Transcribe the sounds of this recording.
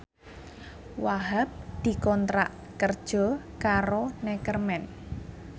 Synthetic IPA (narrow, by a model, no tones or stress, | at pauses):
waɦap̚d̪̥i̤kɔnt̪ɾa̰ʔ | kərd̥ʒ̥ɔ̤ | kaɾonɛkərmɛn